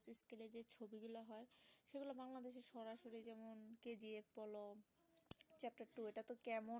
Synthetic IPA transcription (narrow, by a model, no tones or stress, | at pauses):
siskeled͡ʑet͡ɕʰobiɡulaɦɔeʃeɡulabaŋlad̪eʃ̬eɾʃɔɾaʃoɾid͡ʑɛmonked͡ʑiefbɔlo | t͡ɕɛp̚ʈaɾʈueʈat̪okɛmo